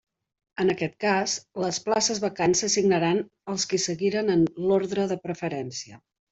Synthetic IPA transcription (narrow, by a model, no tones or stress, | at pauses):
ənəkɛt̪̚kazləsplasəzβəkansəsiɡnəɾan | əlˠskisəɣiɾənənloɾðɾəðəpɾəfəɾɛnsiə